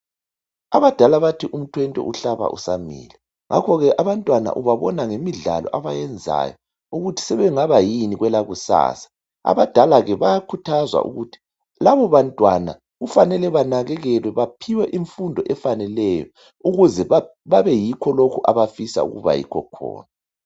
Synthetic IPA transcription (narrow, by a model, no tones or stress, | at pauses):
aβad̥ʱalaβatʰiʔum̩tʰwɛntʼɛ̰ʔuɬaβa̰ʔṵsamḭːlɛ | ŋʔa̰kʰɔɣɛʔaβantʼwana̰ʔuβaβɔnaŋemiɮa̰lɔ̰ʔaβajɛnd͡zʱa̰jɔ | uɣutʰi̥sɛβɛŋaβajiniɣwɛlaɣusa̰ːsḁ | a̰βad̥ʱalaɣɛβajakʰutʰazwa̰ʔṵɣutʰi̥ | laβɔβantʼwana | ɣufanɛlɛβanaɣɛɣɛlwɛβapʰiwɛʔiɱfundʱɔʔɛfanɛlɛjɔ̰ | uɣuzɛβaβaβɛjikʰɔlokʰuʔaβafisa̰ṵɣṵβa̰jḭkʰɔ̰kʰɔ̰ːna